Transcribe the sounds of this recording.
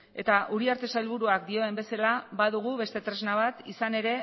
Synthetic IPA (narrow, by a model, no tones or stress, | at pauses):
e̞t̪aʔuɾiaɾt̪e̞sailβ̞uɾuak̚d̪io̞e̞mbe̞salaβaðuɣ̞uβe̞st̪e̞t̪ɾe̞znaβ̞at̪isane̞ɾe̞